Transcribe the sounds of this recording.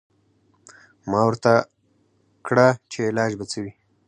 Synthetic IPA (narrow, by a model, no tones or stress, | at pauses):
mɑwəɾt̪a | kɽat͡ʃeɪlɑd͡ʒbat͡səwi